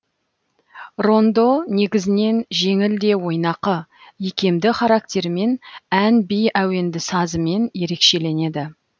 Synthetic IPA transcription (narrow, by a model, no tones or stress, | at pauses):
ro̞nd̪o̞ne̞ɡʲɪzɪne̞nʒe̞ŋɪld̪e̞wo̞jnɑqəjekʲe̞md̪ɪχɑɾɑk̚t̪ʲe̞ɾme̞nænbijæwe̞nd̪ɪsɑzəme̞nje̞ɾe̞kʃe̞le̞ne̞d̪ɪ